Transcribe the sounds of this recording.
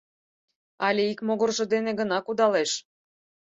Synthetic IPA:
ɑlʲeikmoɣorʒɤ̆d̪eneɣənɑkud̪ɑleʃ

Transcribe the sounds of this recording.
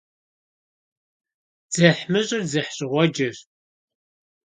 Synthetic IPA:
d͡z̥ɐħmɨɕʼɪrzɨħɕʼɪʁʷɔd͡ʒɐɕ

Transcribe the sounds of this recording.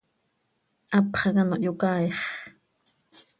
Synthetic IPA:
ʔɑpχɑkɑnoʔjokɑːeχ

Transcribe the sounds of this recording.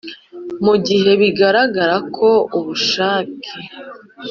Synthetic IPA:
muɟihe̞βiɡaɾaɡaɾakʰo̞uβuʃaːkʰe

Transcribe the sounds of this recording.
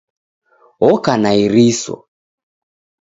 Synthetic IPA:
ɔkanaiɾisɔ̰

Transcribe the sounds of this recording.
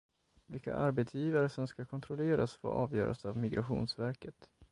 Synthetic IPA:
vɪlka̰ʔaɾbɛt̪sjiːvaɾəsɔmskakʰɔnt̪ʰɾɔleːɾasfo̰ʔɑ̰ːvjœːɾʔa̰savmɪɡɾaɧṵːnsvæɾkət̪

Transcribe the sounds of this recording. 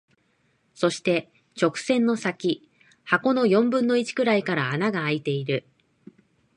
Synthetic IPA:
so̞ɕi̥t̪e̞ | t͡ɕo̞kɯ̟̥sẽ̞nːo̞sakʲi | hako̞no̞jõ̞mbɯ̟̃nːo̞it͡ɕi̥kɯ̟ɾaikaɾaːnaɡaːit̪e̞iɾɯ̟

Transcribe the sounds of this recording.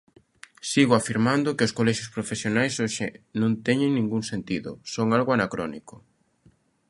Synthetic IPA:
siɣʊafiɾmand̪ʊkɪʊskolɛʃjʊspɾofesjonajsoʃɪ̰nõnt̪ɛɲɪŋnĩŋɡuŋsent̪iðʊ̰soŋalɣoanakɾɔnikʊ

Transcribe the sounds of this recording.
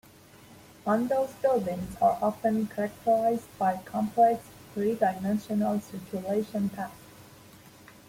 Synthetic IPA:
ʌ̃ndoʊstobɪ̃ŋzə̰ɹʔɑfə̃nkʰəɹæk̚tʰə˞ɹaɪzbaɪkʰɑ̃mpʰlɛks | fɹidaɪmɛ̃nʃənəlˠsɪt͡ʃuleɪʃə̃ntʰæk

